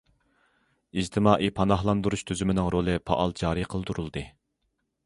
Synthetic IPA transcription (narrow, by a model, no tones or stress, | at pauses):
id͡ʒt̪ʰɪmɑːʔipʰɑnɑhlˠɑnd̪uɾuʃt̪ʰyzymɪnɪŋɾolˠɨpʰɑ̰ʔɑlˠd͡ʒɑːɾiqʰəlˠd̪uɾulˠd̪ɨ